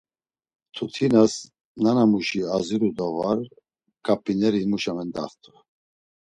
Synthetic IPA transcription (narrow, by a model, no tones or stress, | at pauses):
t̪ʰut̪ʰinas | nanamuʃiaziɾud̪ɔvaɾ | kʼapʼːinɛɾiimuʃamɛnd̪a̰χt̪ʰʼu